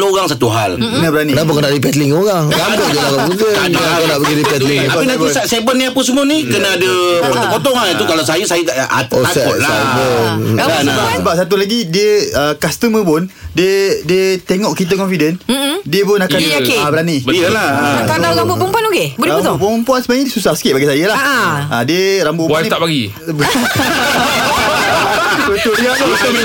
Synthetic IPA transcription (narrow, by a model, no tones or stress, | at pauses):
oɣaŋsat̪uɦal | nabəɾaninabukanaipɛt̪liŋoɣaŋɡamkɔd͡ʒalakauɡəaaanaʔbəɡidippɛt̪liŋainabsasebənĩapəsəmuənikənaadəɔt̪ɔpot̪ɔŋaat̪ukalawsajəsajət̪aʔʔaosɛlaabəanabasəbap̚sat̪̬ulaɡidiəəkast̪əməp̬ʊndiədiət̪eŋɔʔkit̪̬əkɔnfidəndiəpʊnakankebəɾanibəlaakalawɡambʊʔpəmpuanokebt̪opanəmpuansəbaɲadiəsusahsə̥kɪt̪ʔ̚baɡisajəlahadiəɾambʊʔpant̪apaɡi | bə | bət̪ʊliaʔt̪əka